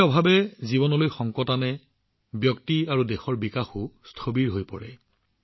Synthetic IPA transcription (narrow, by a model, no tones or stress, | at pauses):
ɔbʱabɛzibɔnɔlojxɔŋkɔtanɛ | bjɔktiaɹudɛxɔɹbikaxustʰobiɹɦojpɔɹɛ̰